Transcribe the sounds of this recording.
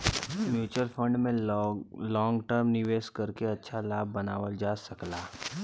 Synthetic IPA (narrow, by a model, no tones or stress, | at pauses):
mjuːt͡ʃəlfʰə̃ɳɖmẽ | lɔ̃ːŋɡʈəɾmnɪʋeːʃkɐɾkeɐtːʃʰalaːb̚ːɐnaːʋəld͡ʒaːsɐklaː